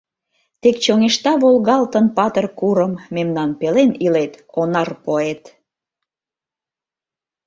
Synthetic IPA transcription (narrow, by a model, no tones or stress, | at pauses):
t̪ekt͡ɕoŋeʃt̪ɑβolɣɑlt̪ənpɑt̪ərkuɾəmmemnɑnpelenilet̪onɑrpoet̪